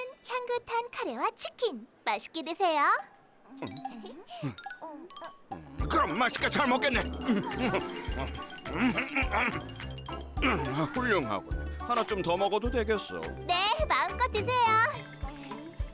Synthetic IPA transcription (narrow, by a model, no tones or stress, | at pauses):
ɯnçjaŋɡɯtʰankʰaɾewat͡ɕʰi̥kʰinmaɕʰi̥k͈edwesʰe̞jo | kɯɾʌmːaɕʰi̥k͈et͡ɕaɭmok͈enːe | ɸuʎːoŋɦa̰ɡo̰hanat͡ɕomtʌmʌɡʌdodwe̞ɡe̞s͈ʌ̰ne̞maɯnk͈ʌt͈̚es̬ʰe̞jo